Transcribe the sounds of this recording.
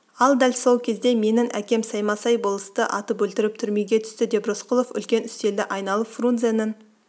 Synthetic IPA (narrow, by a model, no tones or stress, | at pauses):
ɑlˠd̪ælʲso̞lˠkʲʰe̞zd̪e̞me̞nɪŋʔæ̰kʲe̞msɑjmɑsɑjbolˠəst̪əʔɑt̪əpɵlt̪ɪɾɪp̚t̪ʰʏɾme̞ɡʲe̞t̪ʰʏ̥st̪ɪd̪e̞brosqʊlˠo̞fʏ̰lkʲe̞nʏst̪e̞ld̪ɪʔɑjnɑlˠəpfrunzenən